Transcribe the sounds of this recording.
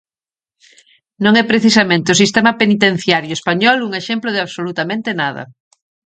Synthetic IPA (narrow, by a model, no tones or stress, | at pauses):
nõŋɛpɾeθisɐmẽnt̪eʊsist̪ɛmɐpenit̪en̟θjaɾjoespaɲɔluŋeʃemplʊð̞eaβsolut̪amẽnt̪enaðɐ̰